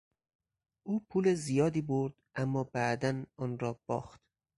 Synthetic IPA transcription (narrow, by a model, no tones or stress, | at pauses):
ʔuːpʰuːlezijɒːd̪iːboɾd̪̥ʔæmːɒːbæd̪ænɒːnɾɒːb̥ɒ̰ːxt̪